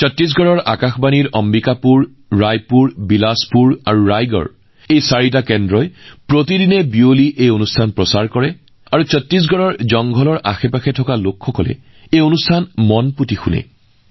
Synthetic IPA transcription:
t͡ɕɔtɹis̬ɡɔɹɔɹa̰kaxbaniɹʔɔmbikapuɹː | ajpuɹbilaspuɹaɹuɹajɡɔ̰ɹ | ejsaɹit̬akɛndɹɔjpɹotidinɛbioliʔejonustʰanpɹɔsaɹkɔɹɛ | aɹusɔtɹis̬ɡɔɹɔɹzɔŋɡʱɔlɔɹʔaxɛpaxɛtʰɔkalokʰxɔkɔlɛ̰ | ejonustʰanmɔnputixunɛ̰

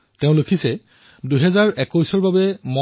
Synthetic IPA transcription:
teʊ̃lokʰisɛ | duɦɛzaɹɛkɔjsɔɹbabɛmɔ

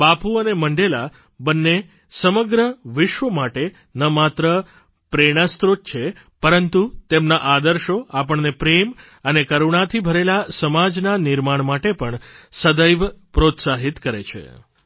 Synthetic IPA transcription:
bapuəneməɳɖela | bənːe | səməɡɾəʋɪʃʋəmaʈe | nəmat̪ɾə | pɾeɽ̃ast̪ɾot̪̚t͡ʃʰe | pəɾənt̪ut̪emnaʔad̪əɾʃoapəɳnepɾem | ənekəɾuɳ̃at̪ʰibʱəɾelasəmad͡ʒnanɪɾmaɳmaʈepəɳsəd̪əjʋpɾot̪saɦit̪kəɾḛt͡ʃʰḛ

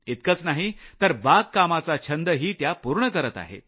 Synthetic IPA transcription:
it̪̚kət͡snaɦit̪əɾbaɡkamat͡sat͡ɕʰənd̪əɦiːt̪japuɾɳəkəɾət̪a̰ɦḛ

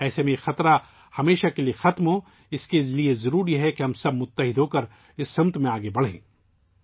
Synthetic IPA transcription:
ɛːsemẽxɐt̪ɾa | hɐmeːʃakeliexɐt̪mɦõː | ɪskeliezɐɾuːɾiɦɛkiɦɐmsɐb̚mʊt̪ːəɦɪd̪ʱɦoːkɐɾ | ɪsːɐ̃mt̪mẽaːɡebɐɽ̤ḛ̃ː

